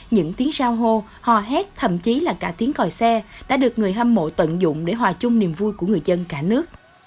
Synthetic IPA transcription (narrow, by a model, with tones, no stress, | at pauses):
ɲɨ̰˧˥ŋt̪i˨˦ŋzaː˧wɦo˧ | hɔ˨˩ɦɛ˦˥t̚t̪ʰə̰˧˨mt͡ɕi˨˦laː˨˩kaː˧˩t̪i˨˦əŋkɔ˨˩jsɛ˧ɗa̰ː˧˥ɗɨ˨˩ək̚ŋɨ˨˩əjha˧mmo̰˧˨t̪ə̰˧˨nzʊ̰˧˨ŋ͡mɗe˧˩ɦwaː˨˩t͡ɕʊ˧ŋ͡mni˨˩mvu˧jku˧˩əŋɨ˨˩əjzə˧nkaː˧˩nɨ˦˥ək̚